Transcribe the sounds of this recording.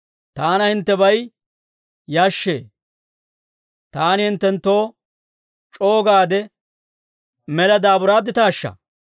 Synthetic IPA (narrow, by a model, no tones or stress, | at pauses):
t̪aːnɐhɪnt̪ːɛbɐj | jaːʃːḛː | t̪aːnɪhɪnt̪ːɛnt̪ːo̞ː | t͡ʃʼo̞ːɡaːd̪ɛ | mɛlɐd̪aːbʊɾaːd̪ːɪt̪aːʃːɐ̰